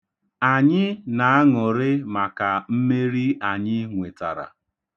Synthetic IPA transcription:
a˨ɲɪ˦na˨a˦ŋʊ˨ɾɪ˦ma˨ka˨m̩˦me˦ɾi˦a˨ɲɪ˦ŋʷe˨ta̰˨ɾa̰˨

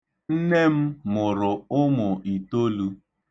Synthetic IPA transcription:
n̩˦ne˦m̩˦mʊ˨ɾʊ˨ʊ˦mʊ˨i˨to˦lu˦

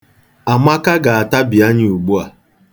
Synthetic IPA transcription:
a˨ma˦ka˦ɡa˨a˨ta˦bi˨a˦ɲɪ˦u˨ɡ͡bu˦a˨

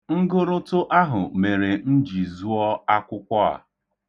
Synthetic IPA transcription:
ŋ̩˦ɡʊ˦ɾʊ˦tʊ˦ʔa˦ɦʊ˨me˨ɾe˨n̩˦d͡ʒi˨zu˦ɔ˦a˦kʷʊ˦kʷɔ˦a̰˨

